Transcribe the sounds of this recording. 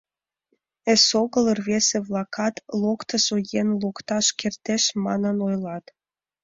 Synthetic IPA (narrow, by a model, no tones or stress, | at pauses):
esoɣələrβeseβlˠɑkʰɑt̪lˠokt̪əsojenlukt̪ɑʃkert̪eʃmɑ̰nənojlɑt̪